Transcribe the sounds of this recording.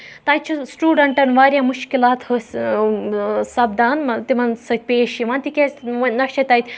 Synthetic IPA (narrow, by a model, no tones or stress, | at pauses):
t̪ãjt͡ɕisʈuːɖɐɳʈɐnʋaːɾʲjamuʃkilat̪həs | sab̚d̪ant̪iʋansɐkʲpʲeʃiʋãnt̪ikʲenɐet̪ajt̪